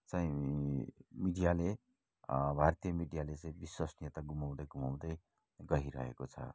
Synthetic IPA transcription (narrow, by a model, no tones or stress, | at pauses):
t͡saĩ | miɖijale | bʱart̪ijʌmiɖijalet͡sãĩbiswasnjet̪aɡumaw̃d̪ʌjɡumaw̃d̪ʌj | ɡʌɦiɾʌ̰ɦḛkot͡sʰʌ̰